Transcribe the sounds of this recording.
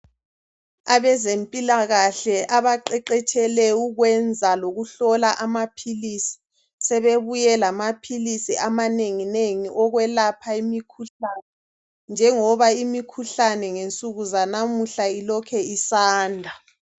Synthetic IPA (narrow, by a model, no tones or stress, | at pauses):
aβɛzempʼilaɣaɬɛʔaβaǃɛǃɛt͡ʃʰʼɛlɛwuɣwɛnd͡zʱaloɣuɬɔlaʔamapʰilisi̥ | sɛβeβujɛlamapʰilisiʔamaneŋineŋiʔɔɣwɛlapʰaimikʰuɬanɛ | nd͡ʒʱɛŋɔβaimikʰuɬanɛŋent͡sʼuɣuzanamuɬailɔkʰɛisaːndʱa